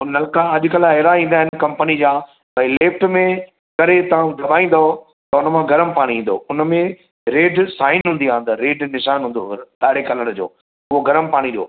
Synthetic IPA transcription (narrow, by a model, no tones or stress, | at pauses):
ʊnɐlkaɐʄʊ̆kɐlɐːɾaĩːnd̪aːɦɪnɪkɐ̃mpənid͡ʑaː | bɐileːfʈmẽ | kɐɾet̪ɐʋ̤ãɡɐbʱaːĩːn̆d̪aɦo | t̪ɐʊnəmãɡɐɾəmpaːɽ̃iĩːn̆d̪o̰ʊnəmẽ | ɾeːɖsaːɪnɦũːnd̪iãːnd̪ɐɾeːɖnɪʃaːnɦũːnd̪od̪aːɽekɐləɽ̃d͡ʑo̰ː | ʊɦoɡɐɾəmpaːɽ̃iɾijo̰ː